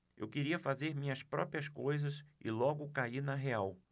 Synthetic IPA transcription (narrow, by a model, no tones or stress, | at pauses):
ḛwkeɾiɐfazeɾmĩɲɐspɾɔ̰pɾiɐskojzɐsɪ̰lɔɡʊkaiɾnɐɦeaw